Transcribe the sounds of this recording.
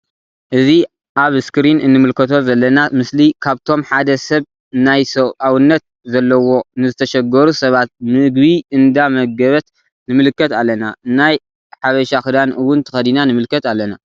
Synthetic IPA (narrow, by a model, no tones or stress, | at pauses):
ʔɨzi | ʔaβskɨɾinɨnːɨmɨlkʰɐt̪ʰo̞zɐlːɐnamɨslikʰaβt̪ʰo̞mħad̪ɐsɐβ | najsɐβʔawɨnːɐt̪̚zɐlːɐwo̞nɨzɨt̪ʰɐʃɐɡɐɾusɐβat̪̚mɨɡbiʔɨnd̪amɐɡɐβɐt̪ | nɨmɨlɨkːɐt̪alːɐnanaj | ħaβɐʃaxɨd̪anʔɨwːʊnt̪ʰɨ̥xɐd̪inanɨmɨlkːɐt̪alːɐna